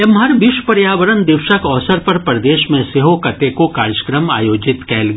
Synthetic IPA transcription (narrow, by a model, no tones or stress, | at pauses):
emɦɐɾʋɪʃpɐɾjaːʋəɾənd̪ɪʋʃəkɔːsəɾpɐɾpɾɐd̪eːʃmẽseɦokɐt̪ekokaːɾjəkɾəma̰ːjoːd͡ʒɪt̪kɛːlɡ